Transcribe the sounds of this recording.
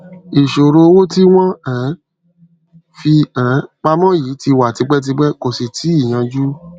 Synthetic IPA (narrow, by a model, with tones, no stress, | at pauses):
i˨ʃo˨ɾo˧wo˦ti˦w̃ɔ̃˦ɛ̃˨˦ | fi˧ã˨˦k͡pa˧˦mɔ̃˦jiː˨˦ti˧wa˨ti˧˦ɡ͡bɛ˦t̬i˧˦ɡ͡bɛ˦ko˨si˨tʰi˨˦i˦˨j̃ã˧d͡ʒu˦